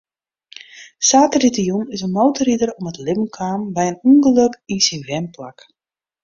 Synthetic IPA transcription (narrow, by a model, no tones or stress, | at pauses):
saːtəritijunɪsənmowtəɾidərɔmətlɪbən̩kʰaːmbɛjənuŋɡəløkinsinʋɛmplak